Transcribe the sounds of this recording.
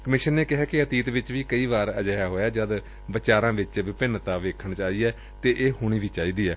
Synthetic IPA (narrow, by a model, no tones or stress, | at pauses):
kəmɪʃənːeːkɪɦɛːkɪət̪iːt̪ʋɪt͡ʃʋiːkəiːʋaːɾəd͡ʒaːjaːɦoːjaːd͡ʒəd̪ | ʋɪt͡ʃaːɾãːʋɪt͡ʃʋɪpɪnt̪aːʋeːkʰəɳt͡ʃaːiːɛː | t̪eːʔeːɦoːɽ̃iːʋiːt͡ʃaːiːd̪iːɛː